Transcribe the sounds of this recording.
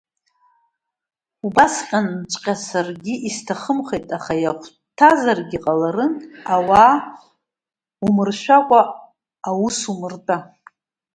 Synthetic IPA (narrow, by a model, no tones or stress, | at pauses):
ubasqʲʼant͡ʃʷʼqʲʼasarɡʲɪʔistʰaχəmχejtʼaχajaχʷ | tʰazarɡʲiqʼalaɾɨnawaː | umɨrʃʷᶣakʷʼaː | wusumɨrtʼa